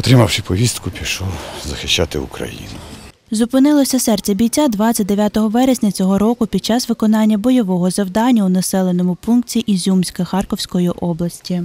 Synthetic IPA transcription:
ɔt̪ɾɪmɐwʃɪpɔʋʲist̪kʊpʲiʃɔzɐxɪʃt͡ʃːat̪ɪ̰ṵkɾɐ̰jḭnʊ | zʊpɪnɪlˠɔsʲɐsɛrt̪t͡sʲɛbʲijt͡sʲad̪ʋɑt͡sʲːɐt̚ʲd̪eʋʲjat̪ɔɦɔʋɛɾesʲnʲɐt͡sʲɔɦɔɾɔkʊpʲid̪̚t͡ʃɑsʋɪkɔn̪ɑnʲːɐbɔjɔʋɔɦɔzɐwd̪ɑnʲːɐunɐsɛlˠenɔmʊpunk̚tʲiʔizʲumsʲkɐxɑrkɔwsʲkɔjiʔɔblˠɐsʲtʲi

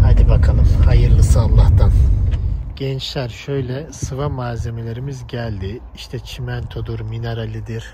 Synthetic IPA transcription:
had̪ibakʰalˠɯmhajɯɾlˠɯsɯalˠːaht̪ʰan | ɟ̥ɛnt͡ʃlʲæɾʃø̞jlʲɛsɯvamaːze̞me̞lʲe̞ɾimizɟælʲd̪i | iʃt̪ʰɛt͡ʃʰimænt̪ʰod̪uɾmineɾalʲid̪iɾ̥

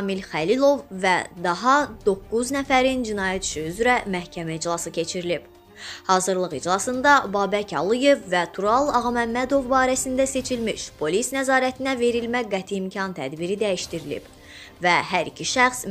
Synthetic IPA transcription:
milxælilˠo̞vːæ̰d̪ɑɦɑd̪o̞kːuznæfæɾind͡ʒinɑːjæt̪y̥ʃyyzɾæmæhcʰæmæid͡ʒlˠɑsɯcʰe̞t͡ʃʰiɾilib̥ | hɑːzɯɾlˠɯɣid͡ʒlˠɑsɯnd̪ɑbɑːbæcʰɑlˠuje̞vːæt̪ʰuɾɑlˠɑɣɑmæmːæd̪o̞vbɑːɾæsind̪æse̞t͡ʃʰilmiʃpʰo̞lisnæzɑːɾæt̪ʰinæve̞ɾilmæɡæt̪ʰiːmcʰɑnt̪ʰæ̰d̪biɾid̪æjiʃt̪iɾilḭb̥ | væhæɾḭcʰiʃæxs

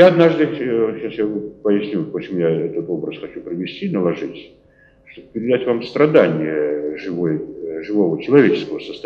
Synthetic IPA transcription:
jaɐd̪naʐd̪ɨɪɕasjapəjɪsʲnʲupət͡ɕɪmujaɛt̪ət̪o̞bɾəsxɐt͡ɕupɾʲɪvʲɪsʲtʲinəlˠɐʐɨtʲ | ʂt̪obəpʲɪɾʲɪd̪atʲvamst̪ɾɐd̪anʲɪjəʐɨvojʐɨvo̞vət͡ɕɪlˠɐvʲet͡ɕɪ̥skəvəsəst̪ɐ

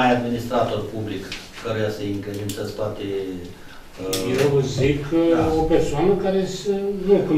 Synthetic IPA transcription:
ajad̪minist̪ɾat̪o̞rpublik | kəɾujasəiŋked̪insəsp̪oat̪e | jezikʰopersoanəkaɾe̞sənuku

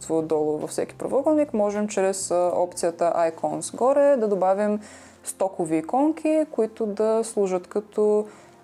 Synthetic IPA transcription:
t̪vod̪ɔlˠʊɾvɐ̰fsɛkʲi̥pɾɐ̰vɔɡəlˠnikmɔʒɛmt͡ʃɾɛsɔpt̪sijət̪əʔajkɔnsɡɔɾɛd̪ɐd̪obavim | st̪ɔkoviːkɔŋkʰʲikoit̪ʊd̪ɐslˠuʒət̪kɐt̪ɔ

